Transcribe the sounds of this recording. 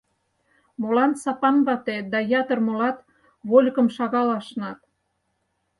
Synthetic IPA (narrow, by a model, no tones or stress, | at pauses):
molɑnt̪sɑpɑnβɑt̪ed̪ɑjɑt̪ə̆rmolɑt̪ | βolʲkəmʃɑɣɑlɑʃnɑt̪